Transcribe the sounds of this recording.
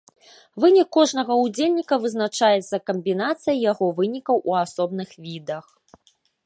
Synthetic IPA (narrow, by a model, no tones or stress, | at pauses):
vɨnʲikːɔʐnɐɣɐud͡zʲelʲnʲikɐvɨznat͡ʂajɛt̪sːɐkɐmʲbʲinat̪sɨjɐjaɣɔvɨnʲikɐwʔuasɔbnɨxvʲid̪ɐx